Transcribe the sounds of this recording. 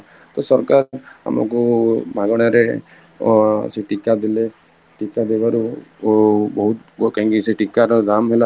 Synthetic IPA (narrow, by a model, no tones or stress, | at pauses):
t̪ɔsɔɾkaɾa̰ma̰kubʱaɡɔɽ̃aɾe | seʈikad̪ile | ʈikad̪ebaɾu | bɔɦut̪kãŋkiseʈikaɾɔd̪amɦela